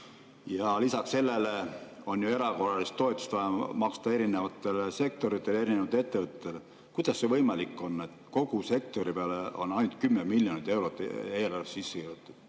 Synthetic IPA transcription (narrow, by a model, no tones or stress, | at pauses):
jɑlisɑksse̞lːe̞leo̞njoe̞ɾɑko̞rˑɑlist̪ːo̞et̪ːˑu̥st̪vɑjɑmɑkst̪ɑe̞ɾinevɑt̪ːˑe̞lese̞k̚t̪o̞ɾit̪ːˑe̞leɾinevɑt̪ːet̪ːe̞vət̪ːˑt̪ːele | kujd̪̥ɑsːe̞vɤjmɑlikːˑo̞nːe̞t̪ko̞ɡuse̞k̚t̪o̞ɾipeɑleo̞̰nɑjnut̪̚kymːemilʲjonit̪ːˑe̞wɾo̞t̪ːˑeːloɾesːsisːekiut̪ˑːud̥̪